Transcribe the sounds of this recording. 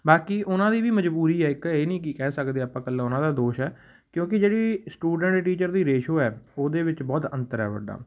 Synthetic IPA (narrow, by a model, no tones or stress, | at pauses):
baːkiːʔʊnãːd̪iːʋiːməd͡ʒbuːɾiːɛːɪkeːnĩːkikɛːsəkd̪eːaːpãːkəlːãːʊnãːd̪aːd̪oːʃɦɛː | kjõːkɪd͡ʒeːɽiːsʈuːɖəɳʈʈiːt͡ʃəɾd̪iːɾeːʃoːɛːoːd̪eːʋɪt͡ʃbɔːt̪ə̰̃nt̪əɾɛ̰ːʋə̰ɖːa̰ː